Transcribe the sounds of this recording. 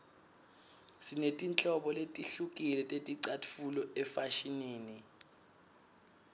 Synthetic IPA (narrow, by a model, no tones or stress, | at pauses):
sinetʼint͡ɬʼɔɓɔletʼiɬuk̬ʼilɛtʼetʼiǀatʰfulɔɛfaʃineːni